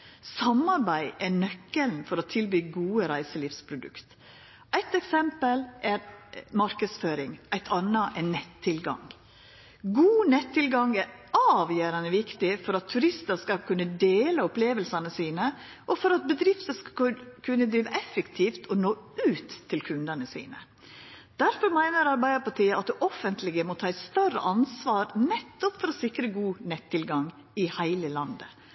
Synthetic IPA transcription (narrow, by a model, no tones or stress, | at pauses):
sɑmɑɾbæɪʔɛnœkːəln̩fɔɾɔt̪ʰɪlbyːɡuːəɾæɪsəliːfspʰɾʊd̪ʉ̰kt̪ | ʔæɪt̪ɛksɛmpəlʔɛɾmɑɾkəd̪sføːɾɪŋʔæɪt̪ʰɑnəʔɛnɛt̪ʰːɪlɡɑ̰ŋ | ɡuːnɛt̪ʰːɪlɡɑŋɛɾɑːʋjøːɾɑnəʋɪkt̪ɪfɔɾɑt̪ʰːʉɾɪst̪əɾskɑkʰʉnːəd̪eːləʊpleːʋəlsɑnəsiːnə | ʔɔfɔɾɑt̪̚bəd̪ɾɪft̪əkʰʉnːəd̪ɾiːʋəʔɛfːəkt̪ʰiːft̪ʰɔnoːʉːt̪ʰːɪlkʰʉnd̪ənəsḭːnə | d̪̥æɾfɔɾmæɪnəɾɑɾbæɪəpɑʈʰiːəɑt̪̚d̪ɛʔɔfənt̪lɪɡəmɔt̪ʰɑːɪst̪œrə̰ʔɑnsʋɑːɾnɛt̪ːɔpfɔɾɔsɪkɾəɡuːnɛt̪ʰːɪlɡɑŋ | ɪhæɪləlɑnd̪ə